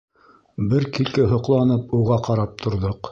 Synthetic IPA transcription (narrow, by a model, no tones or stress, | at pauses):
bɘɾkilkɘɦŏqlˠɑnɤpuʁɑqɑɾɑp̚t̪ʰŏɾðoq